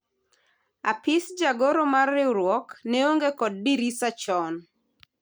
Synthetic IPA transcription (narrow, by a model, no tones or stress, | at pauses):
a̰pɪsd͡ʒaɡoɾomarːɪwɾwɔkneoŋɡekɔd̚ːiɾisat͡ʃɔn